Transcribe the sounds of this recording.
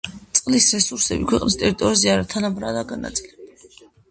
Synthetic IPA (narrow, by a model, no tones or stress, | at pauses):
t̪sʼqʼlisɾɛsuɾsɛbikʰwɛqʼnist̪ʼɛɾit̪ʼɔɾizɛaɾat̪ʰanabɾa̰lˠaɡana̰t̪sʼilɛb